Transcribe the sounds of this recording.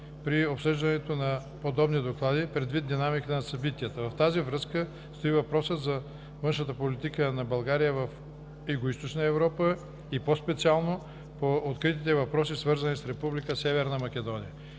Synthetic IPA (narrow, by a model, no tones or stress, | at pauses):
pɾiopsɤʒd̪ɐnɛt̪onɐ | pod̪ɔbnid̪oklˠad̪ipɾɛd̪vit̪̚d̪inamikət̪ənɐsɐbit̪iət̪əvɐft̪azivɾəskə | st̪oivɐpɾɔsət̪zɐ | vɤnʃət̪əpolit̪ikənɐbɐlˠɡaɾijəvɐf | ɛɡoist̪ot͡ʃnəɛvɾɔpə | ipospɛt̪sialˠno | poːt̪kɾit̪it̪ɛvɐpɾɔsisvɤɾzɐnisɾɛpublikəsɛvɛɾnɐmɐk̟ʲɛd̪ɔnijə